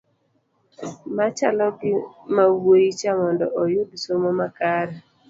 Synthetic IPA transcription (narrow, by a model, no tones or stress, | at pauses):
mat͡ʃalɔɡɪmawojit͡ʃamɔndɔ̰ʔɔjʊdsomomakaɾɛ